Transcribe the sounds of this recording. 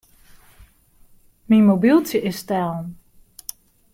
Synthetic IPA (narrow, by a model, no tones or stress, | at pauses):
minmobilˠtjəʔɪstɛlˠn